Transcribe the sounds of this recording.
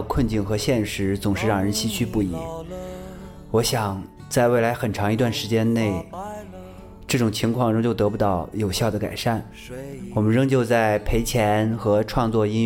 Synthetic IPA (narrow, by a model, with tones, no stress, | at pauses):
kʰwə˥˧nt͡ɕi˥˩nxɤ˧˥ɕjɛ˥˩nʂɻ̩˧˥t͡sʊ˨˩ŋʂɻ̩˥˧ɻɑ˥˩ŋɻə˧˥nɕi˥t͡ɕʰy˥˧pu˥˩ḭ˨˩˦ | wɔ˧˥ɕjɑ˨˩ŋ | t͡sa˥˧ɪwe˥˩ɪla˧˥ɪxə˨˩nʈ͡ʂʰɑ˧˥ŋi˧t̪wa˥˩nʂɻ̩˧˥t͡ɕjɛ˥nne˥˩ɪ | ʈ͡ʂɤ˥˩ʈ͡ʂʊ˨˩ŋt͡ɕʰi˧˥ŋkʰwɑ˥˩˧ŋɻɤ˥ŋt͡ɕjo˥˩t̪ɤ˧˥pu˧˥t̪ɑ˥˩ʊjo˨˩ʊɕjɑ˥˩ʊd̪ə˩ka̰˨˩ɪʂa˥˩n | wɔ˨˩mə˦nɻɤ˥ŋt͡ɕjo˥˧ʊt͡sa˥˩ɪpʰe˧˥ɪt͡ɕʰjɛ˧˥nxɤ˧˥ʈ͡ʂʰwɑ˥˧ŋt͡swɔ˥˩i˥n